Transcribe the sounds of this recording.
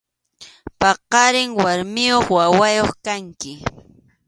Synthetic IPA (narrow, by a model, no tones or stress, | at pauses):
pɑqɑɾɪŋwaɾmɪjoχwawajoχkaŋkɪ